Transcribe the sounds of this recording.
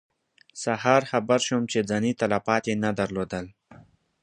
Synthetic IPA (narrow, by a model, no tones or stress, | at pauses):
sahɑɾxabaɾʃomt͡ʃed͡zanit̪alafɑt̪jenad̪aɾlod̪əl